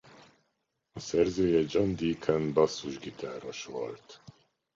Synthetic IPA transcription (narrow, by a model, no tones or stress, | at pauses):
ɒsɛrzøːjɛd͡ʒɒnd̪iːkʰɛnbɒsːuʒɡit̪ʰaːroʃʋo̰lt̪